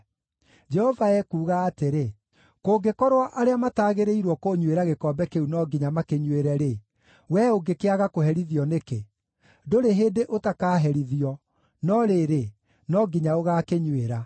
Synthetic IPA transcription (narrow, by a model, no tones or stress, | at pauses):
d͡ʒɛhɔvaɛkuːɣaːteɾe | koːɡekɔɾwɔʔaɾeamataːɣeɾeiɾwɔkoɲweɾaɣekɔːbɛkeunɔɡiɲamakeɲweɾɛɾe | wɛoɡekeaɣakoɦɛɾiðiɔneke | doɾeɦeːdeʔotakaːɦɛɾiðiɔ | nɔɾeɾe | nɔɡiɲaoɣaːkeɲweɾa